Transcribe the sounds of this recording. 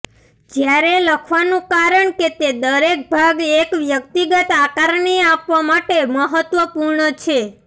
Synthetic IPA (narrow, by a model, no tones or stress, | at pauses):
d͡ʒjaɾeləkʰʋanũkaɾəɳket̪ed̪əɾek̚bʱaɡekʋjək̚t̪iɡət̪akaɾɳiapʋamaʈeməɦət̪ʋəpuɾɳət͡ʃʰe